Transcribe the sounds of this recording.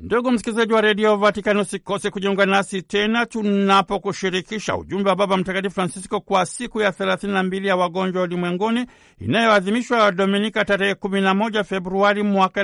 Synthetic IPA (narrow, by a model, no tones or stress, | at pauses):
nduɠum̩si̥kilizaʄiwaɾɛɗiɔvatikanusikɔtɛkuʄiuŋɡanasitɛnatunapɔkuʃiɾikiʃa̰ṵʄumbɛwaɓaɓam̩takatifɾansiskɔkwasikujaθɛlaθininambilijawaɡɔɲd͡ʒwaalimwɛŋɡɔni | ḭnajɔaðimiʃwaɗɔminikataɾɛhɛkuminamɔʄafɛbɾuaɾimwaka